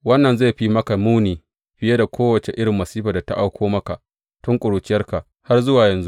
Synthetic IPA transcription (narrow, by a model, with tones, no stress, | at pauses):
wɐ˦nːɐ˨nza˦˨ɸi˦mɐ˦ka˨muː˦niː˨ | ɸɪ˦je˦da˨kʷʰoː˦wɐ˨t͡ʃe˨ʔɪ˦ɽɪ˨mːɐ˨siː˦ɸaː˨da˨ta̰˦ʔa˦wkʷoː˦mɐ˦ka˨ʔ | tʊ˦ŋkʷʼʊ˨ɽuː˨t͡ʃɪ˦jɐ˦rka˨ʔ | ha˦rzʊ˦waː˨jɐ˨nzu˦